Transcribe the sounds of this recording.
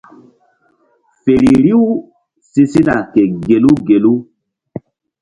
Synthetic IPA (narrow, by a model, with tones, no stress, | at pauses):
fe˨ɾi˨ɾi˦u˦ | si˦si˦na˨kɛ˨ɡe˨lu˦ɡe˨lu˦